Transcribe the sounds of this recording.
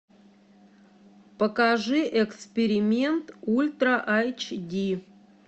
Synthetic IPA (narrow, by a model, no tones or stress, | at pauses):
pəkaʐɨʔekspʲeɾʲɪmʲent̪ulʲt̪ɾɐʔajt͡ɕd̪ʲi